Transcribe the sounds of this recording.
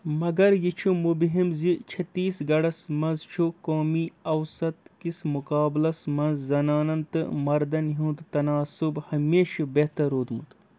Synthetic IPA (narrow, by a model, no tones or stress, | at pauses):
mɐɡɐɾjit͡ʃʰumubɦimzit͡ʃʰɐt̪ːiːsɡɐɽɐsmɐzt͡ʃʰukoːmiːɐwsɐt̪kismukaːblɐsmɐnzːɐnaːnɐnt̪ɨ̰mɐɾd̪ɐnɦũːd̪t̪ɐnaːsubhɐmeːʃibeht̪ɐɾoːd̪mut̪